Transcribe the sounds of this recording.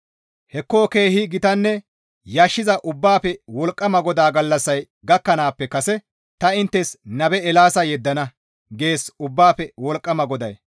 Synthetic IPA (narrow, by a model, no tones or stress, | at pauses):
hɛkːoːke̞ːhɪɡɪt̪ɐnːɛ | jaːʃːɪzɐʔʊbːaːpɛwɔlkʼːɐmɐɡɔd̪aːɡɐlːɐsːɐj | ɡɐkːɐnaːpːɛkɐsɛ | t̪ɐɪnt̪ːɛsnɐbɛɛlaːsɐjɛd̪ːɐnɐ | ɡe̞ːsʊbːaːpɛwɔlkʼːɐmɐɡɔd̪ɐ̰j